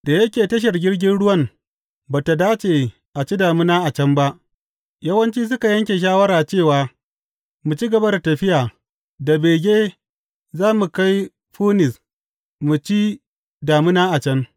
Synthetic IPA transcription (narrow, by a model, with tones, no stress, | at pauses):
da˨jɐ˦kʲeː˨tɐ˦ʃ̬ɐ˨rɡʲɪ˦ɽɡʲɪ˦nɽʊ˦wɐ˦m | baː˨ta˨daː˦t͡ʃeː˨ | ʔa˨t͡ʃi˦daː˨mʊ˦naː˦ʔa˨t͡ʃɐ˦mba˦ʔ | jɐ˦wɐ˦nt͡ʃiː˦s̬ʊ˦ka˨jɐ˦ŋkʲe˨ʃ̬aː˦wɐ˦ɾaː˨t͡ʃeː˦˨waː˨ | mu˨t͡ʃi˦ɡɐ˨bɐ˦da˨tɐ˨ɸɪ˦jaː˨ | da˨beː˨ɡʲeː˦ | zaː˦mu˨ka˦j | ɸuː˦nɪ˨s | mu˨t͡ʃi˦ | daː˨mʊ˦naː˦ʔa˨t͡ʃɐ˦ŋ